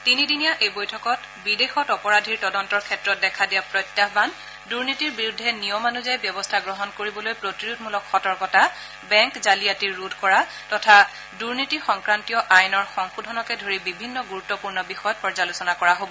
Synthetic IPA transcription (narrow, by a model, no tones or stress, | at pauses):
tinidinijaʔejbojtʰɔkɔt | bidexɔtɔpɔɹadʱiɹtɔdɔntɔɹkʰɛtɹɔt̚dɛkʰadijapɹɔjtːaɦban | duɹnitiɹbiɹudʱːɛnijɔmanuzajbjɔbɔstʰaɡɹɔɦɔnkoɹibɔlojpɹotiɹudmulɔkxɔtɔɹkɔta | bɛŋkzaliatiɹːudʱkɔɹa | tɔtʰa | duɹnitixɔŋkɹantijɔʔajnɔɹxɔŋxudʱɔnɔkɛdʱoɹibibʱinːɔɡuɹutːɔpuɹnɔbixɔjɔtpɔɹzalusɔnakɔɹaɦobɔ